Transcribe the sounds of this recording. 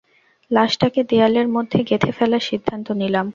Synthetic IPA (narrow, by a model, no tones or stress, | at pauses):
laʃʈaked̪ejaleɾmod̪ʱːeɡet̪ʰefɛlaɾʃid̪ʱːant̪onilam